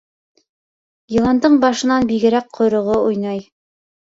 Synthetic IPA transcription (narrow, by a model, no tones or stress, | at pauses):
jilˠɑnd̪ɤɴbɑʃɤ̆nɑnbiɡɘ̆ɾæk̚qʰŏjɾŏʁoujnɑj